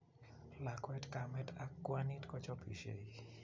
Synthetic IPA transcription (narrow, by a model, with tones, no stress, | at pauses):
la˨kwɛ˦tka˨mɛtʰa˦kːwa˦ni˦tkɔ˦t͡ʃɔ˦pi˨ʃḛ˨i